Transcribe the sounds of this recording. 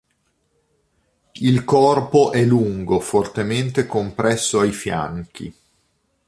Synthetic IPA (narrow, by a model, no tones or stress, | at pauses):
ilkɔrpoʔɛluŋɡofort̪ement̪ekompɾɛsːoajfja̰ŋk̟ḭ